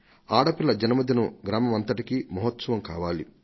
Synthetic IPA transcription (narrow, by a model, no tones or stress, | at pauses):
aːɽɐpilːɐd͡ʒɐnɐmɐd̪jɐnuɡɾaːmɐmɐnt̪ɐʈikimɐɦɐt̪sɐʋɐmkaːʋaːli